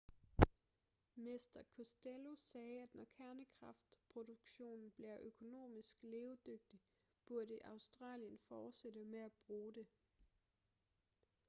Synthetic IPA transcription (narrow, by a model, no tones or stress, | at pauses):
mesd̥ɐkʰusd̥elo̝sɛːæd̥nɒkʰæɐnəkʰʁɑ̈fd̥pʰʁo̝duɡ̥ɕo̝̰ːnn̩b̥liɐʔøkʰo̝no̝̰ːmisɡ̥leːʊd̥øɡ̥̚d̥ib̥uɐɾəʔɑ̈ʊsd̥ʁɑ̰̈ːljənfɒːd̥sed̥əmeæb̥ʁuːde̝